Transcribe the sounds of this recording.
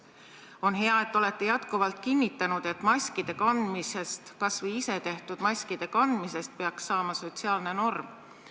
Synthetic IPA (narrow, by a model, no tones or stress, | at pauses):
o̞nɦe̞ɑe̞t̪ːˑo̞le̞t̪ːˑe̞jɑt̪kuvɑlt̪̚kinʲːit̪ːˑɑnud̪̥e̞t̪ːˑmɑsʲkid̪̥e̞kɑnd̪̥mise̞st̪kɑsvijise̞t̪e̞ht̪ud̪̥mɑsʲkid̪̥e̞kɑnd̪mise̞st̪̚pe̞ɑksːɑːmɑso̞t̪ʲsiɑːlne̞no̞rm